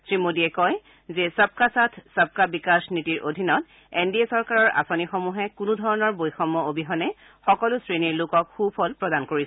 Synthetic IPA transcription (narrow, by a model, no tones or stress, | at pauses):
sɹimodiɛkɔj | zɛsab̚kasatʰsap̚kabikasnitiɹʔo̰dʱinɔt | endiesɔɹkaɹɔɹʔa̰sonixomuɦɛkunudʱɔɹɔnɔɹbojxɔmːɔobʱiɦɔnɛ | xɔkɔlʊsɹeniɹlʊkɔkxupʰɔlpɹɔdankoɹis